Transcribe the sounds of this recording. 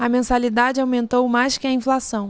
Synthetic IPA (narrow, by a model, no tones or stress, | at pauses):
ɐmẽsalid̪ad͡ʒɪawmẽnt̪owmajskɪɐĩflasɐ̃w̃